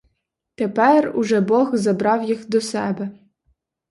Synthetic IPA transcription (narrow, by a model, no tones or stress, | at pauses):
t̪epɛrʊʒɛbɔɣzɐbɾɑwjixd̪ɔsɛbɛ